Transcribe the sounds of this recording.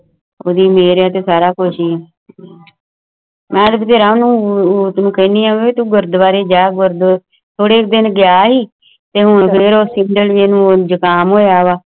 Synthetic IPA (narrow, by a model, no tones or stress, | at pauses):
oːd̪iːmeːɾaːt̪eːsaːɾaːkʊʃiːɛː | mɛ̃ːd̪bət̪eːɾãːonũːt̪nũːkəːniːãːeet̪ũːɡəɾd̪ʋaːɾeːd͡ʒaːɡəɾd̪ | t̪ʰoːɽeːk̚d̪ɪnɡɪjaːɦiː | t̪eːɦʊɳpʰɪɾoːsɪɳɖəlʋeːnũːd͡ʒəkaːmoːaːʋaː